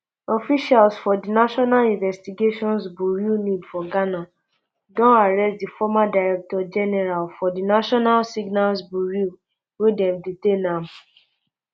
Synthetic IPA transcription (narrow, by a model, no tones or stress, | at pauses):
ɔfiʃalsfɔdinaʃɔnalĩnvɛstiɡeʃɔ̃ns̬buɹunidfɔɡana | dɔ̃naɹɛst̚difɔmadaɹɛk̚tɔd͡ʒɛnɛɹalfɔdinaʃɔnalsiɡnalsbuɹu | wedɛ̃mditenam